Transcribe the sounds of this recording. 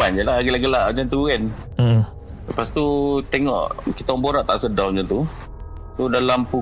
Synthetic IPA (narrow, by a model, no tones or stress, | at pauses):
and͡ʒəlaɡəlaʔɡəlaʔd͡ʒant̪uuɡɛn | ləpast̪ut̪eŋɔ̰ʔkit̪aɔŋboɾaʔt̪aʔsədawɲd͡ʒat̪u | sudalampu